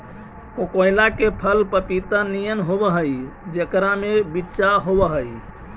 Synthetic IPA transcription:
kokojlakepʰəlpəpit̪anijənɦobəɦəjd͡ʒekɾamebitːt͡ʃaɦobəɦəj

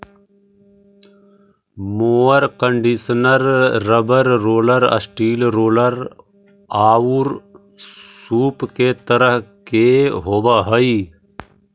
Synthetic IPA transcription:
moːəɾkəɳɖisnəɾːəbəɾːoːləɾɐ̰sʈiːlɾoːləɾ | aːwuɾ | suːpket̪əɾəɦkeɦoːbaɦəi

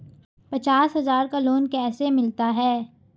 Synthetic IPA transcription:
pɐt͡ʃaːsɦɐzaːɾkaloːnkɛːsemɪlt̪aɦɛː

